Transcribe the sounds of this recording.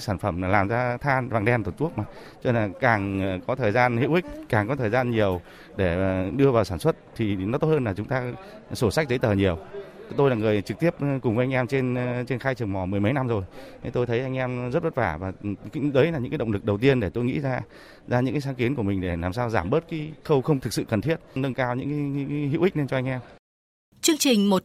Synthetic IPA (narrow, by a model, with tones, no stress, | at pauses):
saː˧˩nfə˧˩mː˨˩laː˨˩mzaː˧t̪ʰaː˧nvaː˨˩ŋɗɛ˧mt̪o˨˩t͡ɕu˦˥ək̚ma˨˩ | t͡ɕɔ˧laː˨˩kaː˨˩ŋkɔ˨˦t̪ʰəː˨˩jzaː˧nhḭ˧˨əwʔï˦˥k̟̚kːaː˨˩ŋkɔ˨˦t̪ʰəː˨˩zaː˧nɲi˨˩əw | ɗe˧˩ɗɨ˧əvaː˨˩wsaː˧˩nswə˦˥t̚t̪ʰi˨˩nɔ˨˦t̪o˦˥t̚həː˧laː˨˩t͡ɕʊ˨˦ŋ͡mt̪aː˧ | so˧˩sa˦˥k̚zə˨˦jt̪əː˨˩ɲi˨˩əwt̪o˧jlaː˨˩ŋɨ˨˩əjt͡ɕɨ˨k̚t̪i˦˥əp̚kʊ˨˩ŋ͡mvə˨˦jʔŋ̟ɛ˧mt͡ɕe˧nt͡ɕe˧nxaː˧jt͡ɕɨ˨˩əŋmɔ˨˩mɨ˨˩əjmə˨˦jna˧mzo˨˩jə˨˦t̪o˧jt̪ʰə˨˦jʔa˧jŋ̟ʔɛ˧mzə˦˥t̚və˦˥t̚vaː˧˩vaː˨˩kzəː˨˦jlaː˨˩ɲɨ̰˧˥kaː˦ɗə̰˧˨ŋ͡mlɨ˨˩k̚ɗə˨˩wt̪i˧ənɗe˧˩t̪o˧jŋḭ˧˥zaː˧ | zaː˧ɲɨ̰˧˥ŋkaː˨˦s̬a˨˦ki˨˦nku˧˩əmï˨˩ŋ̟ɗe˧˩laː˨˩msaː˧wzaː˧˩mɓə˦˥t̚ka˨˦xə˧wxə˧wŋ͡mt̪ʰɨ˨k̚sɨ̰˧˨kə˨˩nt̪ʰi˦˥ət̚nə˧nkaː˧wɲɨ̰˧˥ŋkːjɦḭ˧˥wʔi˦˥k̟̚ne˧nt͡ɕɔ˧a˧ŋʔɛ˧m | t͡ɕɨ˧əŋt͡ɕï˨˩ŋ̟mo˨˩t̚